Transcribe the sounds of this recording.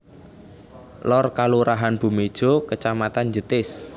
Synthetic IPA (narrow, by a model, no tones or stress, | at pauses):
lɔrkaluɾaɦanb̥ṳmed̥ʒ̥o̤kət͡ʃamat̪and͡ʒət̪ɪs